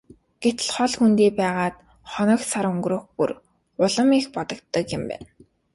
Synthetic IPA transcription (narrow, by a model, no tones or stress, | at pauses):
ɡ̥et̪̆ɮχɔɮxunt̪iːpæːʁaːt̪ | χɔnɞ̆ksaɾɵŋɡroːxpṵr | ʊɮə̆mixpɔt̪ɞ̆kt̪ːə̆kjɪ̆mpæ̰ːn